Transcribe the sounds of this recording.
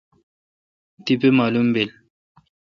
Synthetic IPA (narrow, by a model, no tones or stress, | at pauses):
t̪ipemaːlumbel